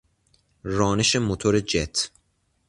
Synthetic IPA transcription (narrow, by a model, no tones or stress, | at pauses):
rɒːneʃemot̪ʰoɾed͡ʒet̪ʰ